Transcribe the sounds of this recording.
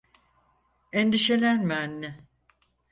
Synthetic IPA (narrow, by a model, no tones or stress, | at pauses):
eɛnd̪iʃelʲænmænːɪ